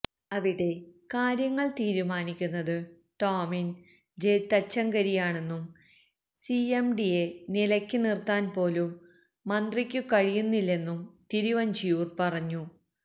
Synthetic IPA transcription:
ɐʋiɽe̞kaːɾjɐŋːɐɭt̪iːɾumaːnikʲːunːɐðɨ | ʈoːmin | d͡ʑejt̪ːɐt͡ɕːɐŋɡɐɾijaːɳe̞nːum | siemɖije̞nilɐkʲːɨnirt̪aːnpo̞ːlumː | ɐnd̪rikʲːukɐɻijunːilːe̞nːumt̪iɾiʋɐnd͡ʑijuːrpɐrɐɲːu

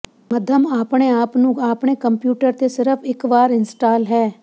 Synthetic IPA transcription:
mɐd̪ʱəmaːpɽ̃eaːpnũaːpɳ̃ekə̃mpjuːʈəɾt̪esɪɾəfʰɪkʋaːɾɪ̃nsʈaːlɦɛː

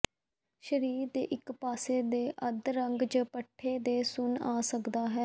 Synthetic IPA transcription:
ʃəɾiːɾd̪ḛːʔɪkpaːseːd̪eːʔəd̪ɾəŋɡd͡ʒəpəʈʰːeːd̪eːsʊnaːsəkd̪aːɦɛː

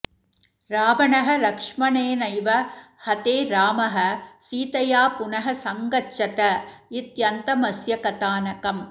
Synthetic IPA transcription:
ɾaːʋɐɳɐɦɐlɐkʂmɐneːnɐjʋɐ | hɐt̪eːɾaːmɐɦɐsiːt̪ɐjaːpʊnɐɦɐsɐŋɡɐt͡ʃɐt̪ɐɪt̪jɐnt̪ɐmɐsjɐkɐt̪aːnɐkɐm

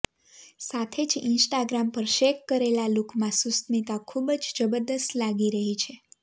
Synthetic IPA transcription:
sat̪ʰed͡ʒɪnsʈaɡɾampəɾʃekːəɾelalukʰmãsust̪nit̪akʰubəd͡ʒd͡ʒəbəɾd̪əst̪laɡiɾəɦit͡ʃʰe

